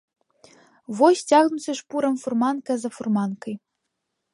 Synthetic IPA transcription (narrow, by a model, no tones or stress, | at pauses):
vɔsʲt͡sʲaɣnusʲɐʂpuɾɐmfurmankɐzɐfurmankɐj